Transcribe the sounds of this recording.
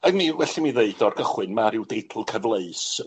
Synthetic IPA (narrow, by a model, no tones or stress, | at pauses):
aɡmiwɛɬimiðeɨdɔrɡəχwɨnmaɾɪwdejtʰlˠkʰəvlˠeɨs